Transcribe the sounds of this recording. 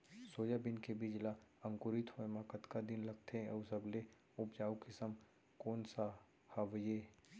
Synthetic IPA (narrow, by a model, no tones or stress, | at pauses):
soːjabɪnkebid͡ʒlaɐ̃ŋkʊɾɪt̪hoemakət̪kad̪ɪnlɐɡt̪ʰeəusəble | ʊpd͡ʒaːukɪsəm | koːnsa | haʋjeː